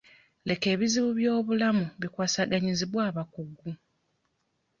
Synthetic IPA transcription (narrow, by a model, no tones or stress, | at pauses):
lʔe̞ke̞ːβiziβuβjo̞ːβulamuβikwaːsaɡaɲiziβwaːβakuɡːu